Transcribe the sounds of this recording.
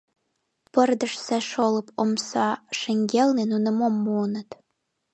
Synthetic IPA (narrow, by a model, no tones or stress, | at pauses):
pərd̪əʃsæʃolə̆pomsɑʃəŋɡelnenunə̆momːuːnət̪